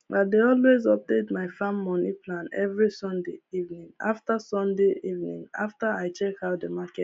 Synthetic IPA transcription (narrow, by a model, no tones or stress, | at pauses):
adeɔlwezɔp̚detmaɪfãmːɔniplãnɛ̰vɹisɔ̃ndeivnĩŋa̰ftasɔ̃ndeʔivnḭ̃ŋa̰ftaaɪt͡ʃɛkaʊt̚dəmakɛt